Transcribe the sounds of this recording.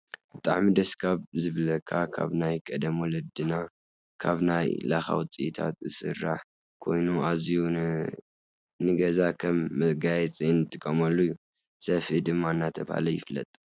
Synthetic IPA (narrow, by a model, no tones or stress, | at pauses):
b̥ɨt̪ʼaʕmid̪ɐskʰaβzɨβlɐkʰːakʰa̰βnajkʼɐd̪ɐmɔlɐd̪ɨna | kʰaβnajlaxa̰wt͡sʼijit̪ʰa̰t̪zɨsɨrːa̰ħ | kʰo̞jnuaziju | nɨɡɐzakʰɐmːɐɡajɛt͡sʼinɨt̪ʼːɨkʼɐmɐlːujːu | sɐfid̪ɨmːaɨnːat̪ʰɐβaha̰lɐjɪ̰flɐ̰t̪ʼ